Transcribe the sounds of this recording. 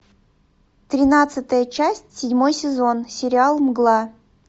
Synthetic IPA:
t̪ɾʲɪnat̪sɨt̪əjət͡ɕæsʲtʲsʲɪdʲmo̞jsʲɪzo̞nsʲɪɾʲɪalˠmɡlˠa

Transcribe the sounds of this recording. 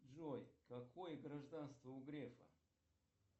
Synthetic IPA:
d͡ʒojkɐkʰojɡɾɐʐd̪anst̪vɐuɡɾefɐ̰

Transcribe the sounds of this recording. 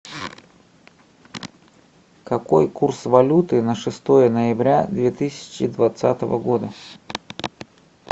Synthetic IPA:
kɐko̞jkursvɐlʲut̪ɨnəʂɨst̪o̞jənəjɪbɾʲad̪vʲet̪ɨsʲɪ̥t͡ɕɪd̪vɐt̪sa̰t̪əvə̰ɡo̞d̪ə

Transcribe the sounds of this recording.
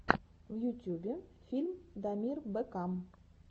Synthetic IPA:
vjut̪ʲubʲɪfʲilʲmd̪amʲirbɘkam

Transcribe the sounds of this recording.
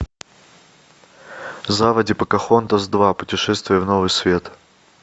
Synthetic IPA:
zavɐdʲɪpəkɐxont̪ɐzd̪vapʊtʲɪʂɛst̪vʲɪjəvnovɨjsvʲe̞t̪

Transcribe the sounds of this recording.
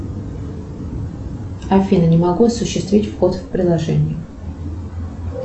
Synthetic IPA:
ɐfʲinənʲɪmɐɡuɐsʊɕːɪst̪vʲitʲfxot̪fpɾʲɪd̪lˠɐʐɛnʲɪjʊ

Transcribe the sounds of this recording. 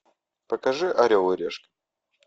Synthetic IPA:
pəkɐʐɨʔɐɾʲowˠʊɾʲḛʂk

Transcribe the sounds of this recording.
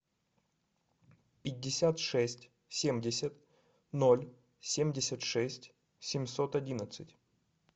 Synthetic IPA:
pʲɪdʲːɪsʲat̪ʂɛsʲtʲ | sʲemʲdʲɪsʲət̪ | nolʲ | sʲemʲdʲɪsʲət̪ʂɛsʲtʲ | sʲɪmʲsot̪ɐdʲinət̪sɨtʲ

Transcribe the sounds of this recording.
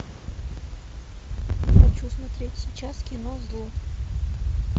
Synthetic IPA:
jaxɐt͡ɕusmɐt̪ɾʲetʲsʲɪt͡ɕaskʲɪnozlˠu

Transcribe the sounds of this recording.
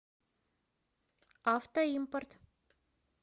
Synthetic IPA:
ɑft̪oimport̪

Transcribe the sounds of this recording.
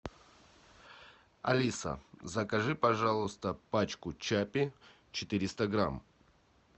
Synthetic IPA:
ɐ̰lʲisə̰zəkɐʐɨpɐʐalˠʊst̪əpat͡ɕkʊt͡ɕapʲɪ | t͡ɕɪt̪ɨɾʲɪst̪əɡɾa̰m

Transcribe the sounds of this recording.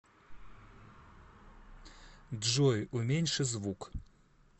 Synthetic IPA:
d̪ʒojumʲenʲʃəzvuk

